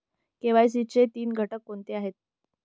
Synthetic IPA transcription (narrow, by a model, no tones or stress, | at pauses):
keʋajs̬it͡set̪iːnɡʱəʈəkːont̪eaɦet̪̚